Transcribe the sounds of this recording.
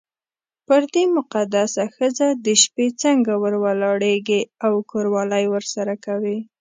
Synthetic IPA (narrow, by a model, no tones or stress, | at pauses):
pəɾd̪emʊqad̪asaxəzad̪əʃpet͡səŋɡawəɾwalɑɽeɡeawkʰoɾwɑləjwəɾsaɾakawi